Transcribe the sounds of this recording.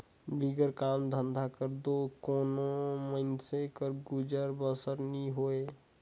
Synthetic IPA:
biɡəɾkaːmd̪ʱə̃nd̪ʱakəɾd̪okoːnoməɪnsekəɾɡʊd͡ʒəɾbəsəɾniɦoːe

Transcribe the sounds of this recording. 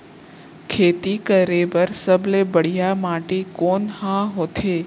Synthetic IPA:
kʰet̪ikəɾebəɾsəblebəɽ̤ijamaʈekonhãɦot̪ʰe

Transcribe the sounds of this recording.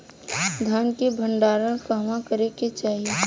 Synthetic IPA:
d̪ʱaːnkebʱə̃ɳɖaːɾəɾkɐɦmãkəɾeket͡ʃaːɦie

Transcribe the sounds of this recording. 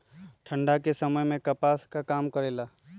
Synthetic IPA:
ʈʰə̃ɳɖakesəməjmẽkəpaːskakaːmkəɾeːla

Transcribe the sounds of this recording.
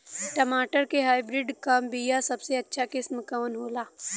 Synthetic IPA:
ʈɐmaːʈəɾkeɦaːjbɾɪɖkɐmbijasɐbseɐtːʃʰakɪsmkɐʋənɦoːlaː

